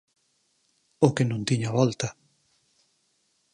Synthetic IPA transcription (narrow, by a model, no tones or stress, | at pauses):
okenũnt̪iɲaβɔlt̪ɐ